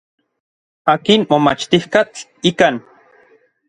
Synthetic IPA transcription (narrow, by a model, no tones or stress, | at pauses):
aːkinmomat͡ʃt̪ihkat͡ɬikan